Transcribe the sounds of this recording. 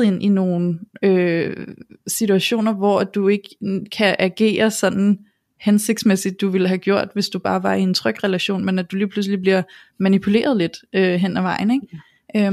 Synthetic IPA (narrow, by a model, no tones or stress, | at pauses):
e̝n̰ʔino̝ːn̩ø | sit͡sʰuæɕo̝̰ːnɐʋɒæd̥ue̝ɡ̥əkʰæʔæɡ̥e̝̰ːɐsɒ̽nn̩ | hense̝ɡ̥̚d̥smesid̥̚ːuʋe̝lɦæɡ̥jo̝ɐ̰d̥ʋe̝sd̥ub̥ɑ̈ːʋɑ̈ie̝nt͡sʰʁœɡ̥ʁɛlæɕo̝̰ːnmenæd̥uliːpʰlus̬lib̥liɐ̰ | mænipʰule̝̰ːɐð̞̩ˠle̝d̥øɦen̰æʋɑ̈ɪn̩e̝ɡ̥ | ø